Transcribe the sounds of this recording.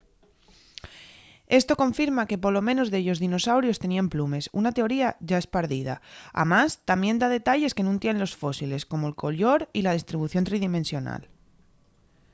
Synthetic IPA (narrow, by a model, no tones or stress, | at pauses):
e̞st̪o̞ko̞ɱfiɾmake̞poɾlo̞mẽ̞no̞zðeʎo̞zðino̞sawɾjo̞st̪e̞niamplume̞sunat̪e̞o̞ɾiaʝae̞spaɾðið̞a̰a̰mast̪ambje̞nd̪að̞e̞t̪aʎe̞ske̞nũnt̪jenenlo̞sfo̞sile̞sko̞moelko̞lo̞ɾilað̞ist̪ɾiβuθjont̪ɾiðime̞nsjo̞na̰l